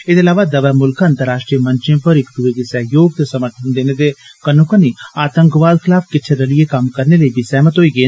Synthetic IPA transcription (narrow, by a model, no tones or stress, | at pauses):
ɪd̪eɐlaːʋad̪ɐʋɛmʊlkɐ̃nt̪əɾːaːʃʈɾijəmə̃nt͡ʃẽːpəɾɪkd̪uekesəɦjoːɡ̚t̪esɐməʈʰʊnd̪eːned̪ekənukəniaːt̪ə̃ŋkʋaːd̪kʰɪlaːfʰkɪt͡ʃʰeɾəliekɐmkɐɾneləibʱisɛːmət̪ɦoːiːɡe